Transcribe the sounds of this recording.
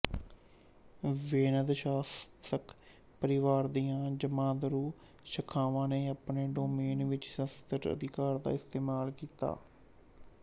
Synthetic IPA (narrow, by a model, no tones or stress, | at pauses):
ʋeːnəd̪ʃaːsək | pəɾɪʋaːɾd̪ijãːd͡ʒəmãːd̪əɾuː | ʃəkʰaːʋãːneːaːpneːɖoːmeːnʋɪt͡ʃsəst̪əɾə̰d̪ɪkaːɾd̪a̰ːɪst̪eːmaːlkiːt̪a̰ː